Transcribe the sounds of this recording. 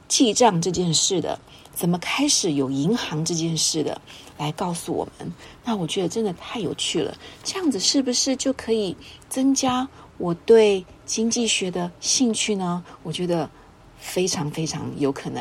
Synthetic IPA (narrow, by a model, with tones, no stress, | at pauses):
t͡ɕi˥˧ʈ͡ʂɑ˥˧ŋʈ͡ʂɤ˥˧t͡ɕjɛ˥˧nʂɻ̩˥˩d̪ə̰˩ | t͡sə˨˩nmə˦kʰa˥ɪʂɻ̩˨˧˩jo˨˩ʊi˧˥ŋxɑ˧˥ŋʈ͡ʂɤ˥˧t͡ɕjɛ˥˧nʂɻ̩˥˩d̪ə̰˩la˧˥ɪkɑ˥˩ʊsu˨wɔ̰˨˩mə̰˦nna˥˩wɔ˨˩t͡ɕɥɛ˧˥d̪ə˨˧ʈ͡ʂə˥nd̪ə˨t̪ʰa˥˩ɪjo˨˩ʊt͡ɕʰy˥˩lə̰˩ʈ͡ʂɤ˥˧jɑ˥˩ŋd͡zɹ̩˩ʂɻ̩˥˩bu˩ʂɻ̩˥˧t͡ɕjo˥˩ʊkʰɤ˧˥i˨˩t͡sɤ˥ŋt͡ɕja˥ | wɔ˨˩t̪we˥˩ɪ | t͡ɕi˥ŋt͡ɕi˥˩ɕɥɛ˧˥d̪ə˧ɕi˥˧ŋt͡ɕʰy˥˩nə˩wɔ˨˩t͡ɕɥɛ˧˥d̪ə˧ | fe˥ɪʈ͡ʂʰɑ˧˥ŋfe˥ɪʈ͡ʂʰɑ̰˧˥ŋjo˧˥ʊkʰɤ˨˩n˧˦